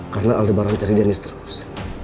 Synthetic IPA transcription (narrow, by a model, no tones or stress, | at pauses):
kaɾənaʔaldəbaɾant͡ʃaɾidanɪst̪əɾʊs